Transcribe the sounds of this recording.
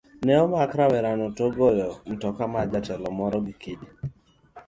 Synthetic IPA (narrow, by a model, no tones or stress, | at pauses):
nɛɔmakɾawɛɾanɔtoɡɔjɔm̩tɔkamad͡ʒatɛlɔmɔɾɔɡikedi